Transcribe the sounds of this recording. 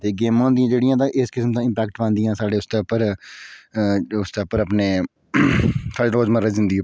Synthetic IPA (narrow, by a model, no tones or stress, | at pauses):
t̪eːɡeːmãːnd̪ijãːd͡ʒeːɽɪjãːd̪ãːʔɪskɪsmt̪ãːɪ̃mpɛːkʈbə̃nd̪ɪjãːsaːɽeːʊsd̪eːʊpːəɾ | ʊsd̪eːʊpəɾəpneː | saːɖeːɾoːd͡ʒməɾəd͡ʒɪ̃nd̪iː